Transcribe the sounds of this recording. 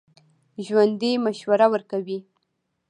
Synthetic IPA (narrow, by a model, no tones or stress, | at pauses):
ʒwand̪emaʃwaɾawəɾkawi